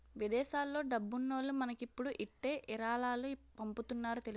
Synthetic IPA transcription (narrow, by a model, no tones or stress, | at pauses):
ʋid̪ɛːʃaːlːo̞ːɖɐbːunːoːlumɐnɐkipːuɽuʔiʈːe̞ːʔiɾaːlaːlupɐmput̪unːaːɾut̪eli